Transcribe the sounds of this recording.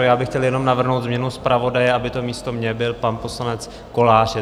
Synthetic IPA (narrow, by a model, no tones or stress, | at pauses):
jaːbɪxcɛljɛno̞mnavr̩ɦnowt̪zmɲɛnuspɾavo̞dajɛʔabɪt̪o̞miːst̪o̞mɲɛbɪlpanpo̞slanɛt͡s | ko̞laːr̥ɛ